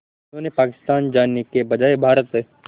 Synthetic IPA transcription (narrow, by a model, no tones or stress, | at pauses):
ɪnõːnepaːkɪ̥st̪aːnd͡ʒaːnekebɐd͡ʒaːebʱaːɾət̪ɦɛː